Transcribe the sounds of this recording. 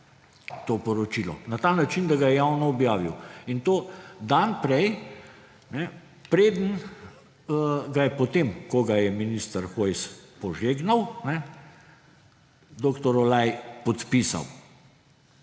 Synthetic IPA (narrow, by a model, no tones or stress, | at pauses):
t̪oːpɔɾɔt͡ʃiːlɔ̰nat̪anat͡ʃind̪aɡajɛjawnɔːbjaːʋiwint̪oːd̪anpɾɛj | nɛ | pɾeːd̪ən | ɡajɛpɔt̪emkoɡajɛminist̪əɾxojspɔʒeɡnawnɛ | d̪oːkt̪ɔɾɔlajpɔt̪pisa̰w